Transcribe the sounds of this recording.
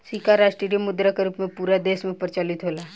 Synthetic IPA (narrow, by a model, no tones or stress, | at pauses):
sikaɾaːʃʈiɖijəmːʊd̪ɾakeɾuːpmẽpuːɾad̪eːsmẽpəɾt͡ʃalɪt̪ɦoːla